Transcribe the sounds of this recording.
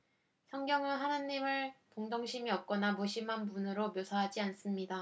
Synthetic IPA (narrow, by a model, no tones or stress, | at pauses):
sʰʌŋɡjʌŋɯnɦanaɲːimɯɭpoŋdoŋɕʰimiʌp̚k͈ʌnamoɕʰimɦanpunɯɾomjosʰaɦad͡ʑians͈ɯmɲida